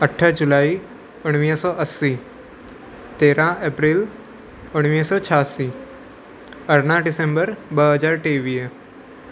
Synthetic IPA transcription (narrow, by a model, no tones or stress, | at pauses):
əʈʰːəd͡ʒʊlaːi | ʊɽ̃ʋiːsɔːʔəsːi | t̪eːɾãeːpɾɪl | ʊɽ̃ʋiːsɔːt͡ʃʰaːsi | əɾnãɖɪsẽmbəɾbəɦəd͡ʒaːɾʈeːʋijə